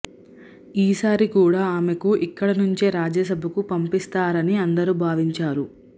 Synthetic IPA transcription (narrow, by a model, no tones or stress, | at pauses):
iːsaːɾikuːɽaːaːme̞kuʔikːɐɽɐnuɲt͡ʃeɾaːd͡ʒɐs̬ɐbʱɐkupɐmpist̪aːɾɐniɐnd̪ɐɾuːbʱaːʋiɲt͡ʃaːɾu